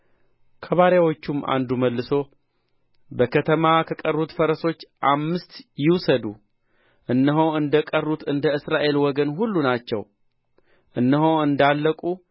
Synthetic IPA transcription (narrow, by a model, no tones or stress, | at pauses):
kʰəβaɾjawot͡ʃːumːʔa̰nd̪uməlːɨso̞ | bəkʰət̪ʰəmakʰəkʼərːut̪fəɾəso̞t͡ʃːʔamːɨst̪jɪwsəd̪u | ʔɨnːɨɦoɨnd̪əkʼərːut̪ɨnd̪əɨsɾaʔe̞lwɔɡənɦulːunat͡ʃːɛw | ʔɨnːəɦoɨnd̪alːəkʼu